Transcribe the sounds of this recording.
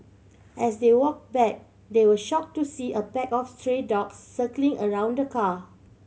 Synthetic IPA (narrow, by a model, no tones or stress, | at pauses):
ʔɛsdewɔk̚bɛk̚ | dewəʃɔk̚tusiʔəpɛkɔfstɹedɔksːəklĩŋʔəɹãʊ̃ndəkʰa